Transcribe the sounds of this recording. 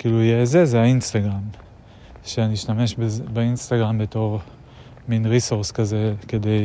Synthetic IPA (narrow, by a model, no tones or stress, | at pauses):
kiːluijezezeainstaɡʁam | ʃeaniiʃtame̞ʃbebeinst̪aɡʁambeto̞ʁ | minʁisuʁskaze̞ke̞de̞j